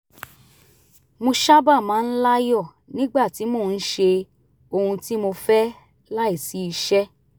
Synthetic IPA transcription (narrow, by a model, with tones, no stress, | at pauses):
mo˧ʃa˦ba˦˨mãː˨˧˦n̩˦la˦jɔ˦˨ | nĩ˦ɡ͡ba˦˨ti˨˦mo˦˨n̩˦ʃe˧ | o˧hũ˧ti˦mo˧fɛ˦ | la˦i˦˨si˨˦i˧ʃɛ˦